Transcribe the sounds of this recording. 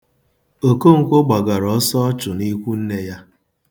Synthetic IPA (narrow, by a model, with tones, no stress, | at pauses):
o˨ko˦ŋ̩˨kʷo˦ɡ͡ba˨ɡa˨ɾɔ˨˦sɔ˦ɔ˦t͡ʃʊ˨ni˦kʷu˦n̩˦ne˦ja˦